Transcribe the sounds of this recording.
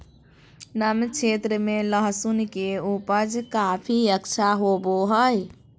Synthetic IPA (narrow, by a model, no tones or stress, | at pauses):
nəmt͡ʃʰet̪ɾəmeləɦsunkeupəd͡ʒkapʰiəkt͡ʃʰaɦoboɦəj